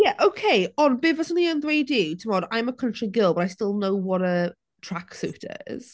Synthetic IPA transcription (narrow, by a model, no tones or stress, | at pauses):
jɛʔowkʰeɪɔnbɪːvəsə̃niə̃nðwejditʰəmɔːdaj̃məkʰə̃ntʰɹ̥iɡɪlˠbəɾajstɪlˠnowwɔɾə | tʰɹ̥aksṵːtʰə̰ɪ̰z̥